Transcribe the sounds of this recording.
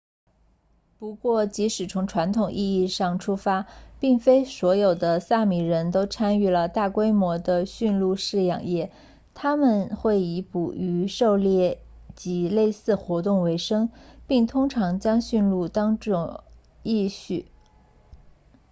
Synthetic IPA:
pu˧˥kwɔ˥˩t͡ɕi˧˥ʂɻ̩˨˩t͡sʰʊ˧˥ŋʈ͡ʂʰwa˧˥nt̪ʰʊ˨˩ŋʔi˥˧i˥˧ʂɑ˥˩ŋʈ͡ʂʰu˥fa˥pi˥˩ŋfe˥ɪswɔ˧˥jo˨˩ʊd̪ə˦sa˥˩mi˨˩ɻə˧˥nt̪o˥ʊʈ͡ʂʰa˥ny˥˩lə˩t̪a˥˩kwe˥ɪmwɔ˧˥d̪ə˧ɕy˥˧nlu˥˧ʂɻ̩˥˩jɑ̰˨˩ŋjɛ˥˩ | t̪ʰa˥mə˨nxwe˥˩ɪi˧˥pu˨˩y˧˥ʂo˥˧ʊljɛ˥˩ | t͡ɕi˧˥le˥˧ɪsɹ̩˥˩xwɔ˧˥t̪ʊ˥˩ŋwe˧˥ɪʂɤ˥ŋpi˥˩ŋt̪ʰʊ˥ŋʈ͡ʂʰɑ˧˥ŋt͡ɕjɑ˥ŋɕy˥˧nlu˥˩t̪ɑ˥ŋʈ͡ʂʊ˥˩ŋ | i˥˧ɕy˥˩

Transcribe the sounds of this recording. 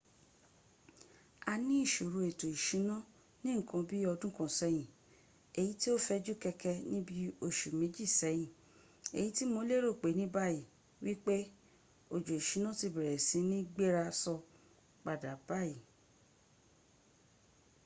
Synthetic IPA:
a˧nĩ˦i˦˨ʃo˨ɾu˧e˨to˨i˨ʃĩ˨˦nɔ̃˦ | nĩ˦ŋ̩˨kã˨˧bi˦ɔ˧dũ˦kɔ̃˧sɛ˨˧˦j̃ĩ˨ | e˨ji˨˦ti˦o˦fɛ˧d͡ʒu˦kɛ˧kɛ˧nĩ˦bi˦o˦˨ʃu˨mẽ˨˦d͡ʒi˦˨sɛ˨˦j̃ĩ˨ | e˨ji˨˦ti˦mo˧˦le˦ɾo˦˨k͡pe˨˦nĩ˦ba˦ji˨ | wi˦k͡pe˦ | o˨d͡ʒo˨i˨ʃi˨˦nã˦ti˧bɛ˨ɾɛ˨sĩ˨˦nĩ˦ɡ͡be˦ɾa˧sɔ˧ | k͡pa˨da˨ba˦ji˨

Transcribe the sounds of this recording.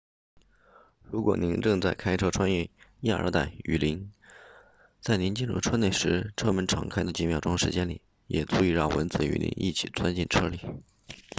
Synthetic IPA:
ɻu˧˥kwɔ̰˨˩ni˧˥nʈ͡ʂɤ˥˧ŋt͡sa˥˩ɪkʰa˥ɪʈ͡ʂʰɤ˥ʈ͡ʂʰwa˥njɛ˥˩ja˥˧ə̰˞˧˥t̪a˥˩ɪy̰˨˩li˧˥n | t͡sa˥˩ɪni˧˥nt͡ɕi˥˧nɻṵ˥˩ʈ͡ʂʰɤ˥ne˥˩ɪʂɻ̩˧˥ʈ͡ʂʰɤ˥mə˧˥nʈ͡ʂʰɑ̰˧˥˩ŋkʰa˥ɪd̪ə˨t͡ɕi˧˥˩mjɑ˨˩ʊʈ͡ʂʊ˥ŋʂɻ̩˧˥t͡ɕjɛ˥nlḭ˨˩˦ | jɛ˨˩t͡su˧˥i˥˧ɻɑ˥˩ŋwə˧˥nt͡sɹ̩˧˩y̰˨˩lʔḭ˧˥nḭ˥˩t͡ɕʰi̥˨˩t͡swa̰˥nt͡ɕi˥˩nʈ͡ʂʰɤ˥li˨˩

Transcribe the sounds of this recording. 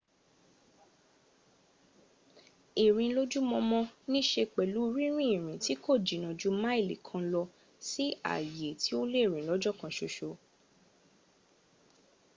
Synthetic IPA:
e˨ɾ̃ĩ˧lo˦d͡ʒu˦mɔ̃˧mɔ̃˧nĩ˦ʃe˧k͡pɛ˨lu˨˦˧ɾi˦ɾ̃ĩ˦i˦˨ɾ̃ĩ˨ti˨˦ko˦˨d͡ʒi˨nã˨d͡ʒu˨˦mã˦e˦˨li˨kʰã˧lɔ˧ | si˦a̰˦˨je˨tʰi˨˦o˦le˦˨ɾ̃ĩ˨lɔ˨˦d͡ʒɔ˦˨kã˧ʃo˧ʃo˧

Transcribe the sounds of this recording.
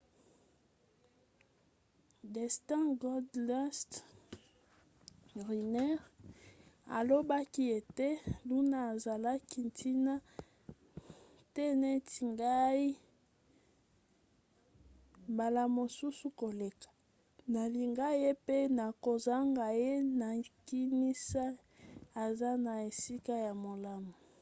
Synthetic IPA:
dɛ˨stɛ̃˦ɡɔ˦dlɛ˦st | ʁi˨nɛ˦ʁ | a̰˨lo˦ba˦ki˦e˨te˦lu˦naː˦˨za˨la˦ki˦ntʰi˦na˦ | tɛ˦ne˦ti˨ŋɡa˦i˦ | ba˨la˨mo˨su˦su˦ko˨le˨kḁ˨ | na˨li˨ŋɡa˦je˦pe˦na˨ko˨za˦ŋɡa˨je˦na˨ki˦ni˦sa˦ | a˨za˦na˨e˨si˦ka˦ja˨mo˨la˦mo˨

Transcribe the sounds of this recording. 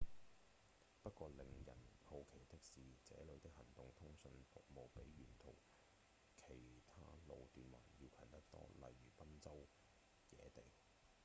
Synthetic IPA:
pɐ˥t̚kʷɔː˧lɪ˨ŋjɐ̰˨˩nho˧wkʰe˨˩jt̪ɪ˥k̚siː˨t͡sɛː˨˥lɵ˨˧t̪ɪ˥k̚hɐ˨˩ŋt̪ʊ˨ŋt̪ʰʊ˥ŋsɵ˧nfʊ̰˨k̚mo˨wpe˨˥jɥyː˨˩nt̪ʰo̰˨˩w | kʰe˨˩jt̪ʰa̰ː˥lo˨˧wt̪yː˨nwa̰ː˨˩njiː˧wkʰɐ˨˩nt̪ɐ˥k̚t̪ɔ̰ː˥lɐ̰˨jɥyː˨˩pɐ˥nt͡sɐ˥w | jɛ̰ː˨˧t̪e˨j

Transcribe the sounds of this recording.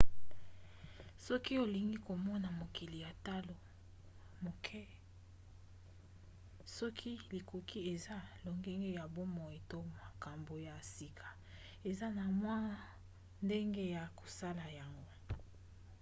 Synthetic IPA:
sɔ˦ki˦o˨li˨ŋɡi˦ko˨mɔ˦na˨mo˨ki˨li˨ja˨ta˦lo˨ | mo˨kʰɛ˦ | sɔ˦kʰi˦li˨ko˨kʰi˦e˨za˦lo˨ŋɡe˦ŋɡe˦ja˨bo˦mɔ˨e˨to˦ma˨ka˨mbo˨ja˨si˨kʰḁ˨ | e˨za˦na˨mwa˦ | nde˦ŋɡe˦ja˨ko˨sa˦la˨ja˨ŋɡo˦

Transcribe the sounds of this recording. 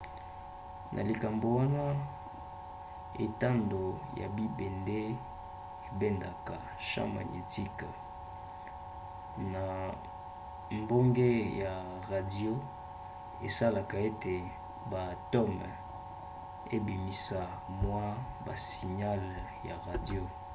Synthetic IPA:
nʔa̰˨li˨ka˨mbo˨wa˦na˦ | ḛ˨ta˦ndo˨ja̰˨bi˦be˨nde˦ | e˨bɛ˦nda˨ka˨ | ʃã̰˦ma̰˨ɲḭ˨ti˦k | na˨ | mbo˦ŋɡe˦ja˨ | ʁa˨di˦o˦ | ḛ˨sa˦la˨ka˨e˦te˨ | ba˨tɔ˦m | e˦bi˨mi˨sa˨mwa˦ba̰˨si˨ɲa˦lja˨ʁa˨djo˦

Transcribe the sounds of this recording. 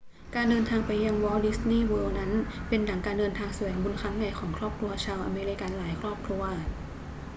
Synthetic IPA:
kaː˧ndɤː˧nt̪ʰaː˧ŋpa˧jːa˧ŋwɔː˧˥di˦˥sniː˥˩wɤː˧wna˦˥npe˧nːa˩˦ŋkaː˧ndɤː˧nt̪ʰaː˧ŋsa˧wɛː˩˦ŋbu˧nkʰɾa˦˥ŋja˨˩jkʰɔː˩˦ŋkʰɾɔː˥˩p̚kʰɾu˧ɐt͡ɕʰaː˧wʔa̰˧meː˧ɾi˧˥ka˧nlaː˩˦jkʰɾɔː˥˩p̚kʰɾu˧ɐ

